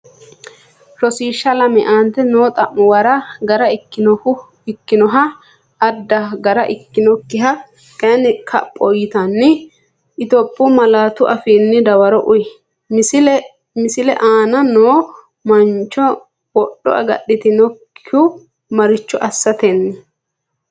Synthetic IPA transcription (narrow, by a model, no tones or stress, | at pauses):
ɾɔsiːʃːɐlɐmɛʔaːnt̪ɛnoːt̪ʼɐmːʊwɐɾɐɡɐɾɐɪkːɪʊ | ɪkːɪnɔɦɐː | d̪ːɐɡɐɾɐʔɪkːɪnɔkːɪɦɐ | kʼɐnɪkʰɐ̰pʼːɔjɪt̪ɐnːɪ | ʔɪt̪ɔpʼːʊmɐlaːt̪ʊʔɐfiːnːɪd̪ɐwɐɾɔʔʊj | mɪsɪlɛ̰ʔaːnɐnoː | mɐnt͡ʃːɔ | wɔɗːɔ̰ʔɐ̰ɡɐ̰ɗːɪt̪ɪnɔkːʊ | mɐɾɪt͡ʃːɔʔɐsːɐt̪ɛnːɪ